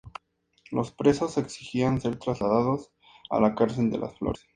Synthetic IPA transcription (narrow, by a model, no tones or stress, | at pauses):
lo̞spɾe̞so̞se̞ksixianse̞ɾt̪ɾazlaðaðo̞s | a̰lakaɾse̞ld̪e̞̰la̰sflo̞̰ɾe